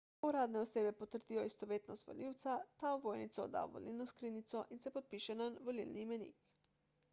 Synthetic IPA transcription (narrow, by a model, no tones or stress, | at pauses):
uɾaːd̪nɛɔseːbɛpɔt̪əɾd̪ijɔist̪ɔʋeːt̪nɔst̪ʋɔ̰liwt̪sat̪aɔʋojnḭt̪sɔɔ̰d̪a̰wʋɔ̰lilnɔskɾinit̪sɔʔinsɛpɔt̪̚piʃɛnanʋɔlḭlniːmɛnḭk